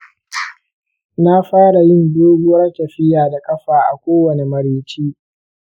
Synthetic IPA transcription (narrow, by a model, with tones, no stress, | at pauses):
na˦ɸaː˦ɽa˨jɪ˦˨ndoː˦ɡʊ˦wɐ˦rkʲɐ˨ɸɪ˦jaː˨da˨kʼɐ˦ɸaː˨ʔa̰˨kʷoː˦wɐ˨ne˨mɐ˨ɾeː˦t͡ʃiː˦